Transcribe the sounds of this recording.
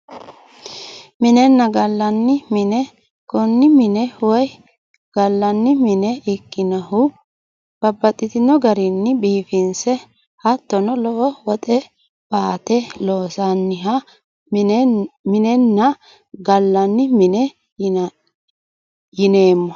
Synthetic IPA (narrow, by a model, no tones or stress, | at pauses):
mɪnɛnːɐɡɐlːɐnːɪmɪnɛ | kʊnːɪmɪnɛwɔj | ɡ̥ɐlːɐnːɪmɪnɛɪkːɪnɐhʊ | b̥ɐbːɐt̪ʼːɪt̪ɪnɔɡɐɾɪnːɪbiːfɪnsɛ | hɐt̪ːɔnɔlɔʔɔwɔt̪ʼɛ | baːt̪ɛloːsanːɪɦɐ | mɪnɛnːɐ | ɡɐlːɐnːɪmɪnɛ | jɪne̞ːmːɔ